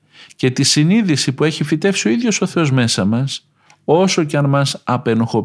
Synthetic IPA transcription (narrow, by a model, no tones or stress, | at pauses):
ce̞t̪isiniðisipue̞çifit̪e̞fsio̞iðʝo̞so̞θe̞o̞zme̞sɐmɐs | o̞so̞ceɐnmɐsɐpe̞noxo̞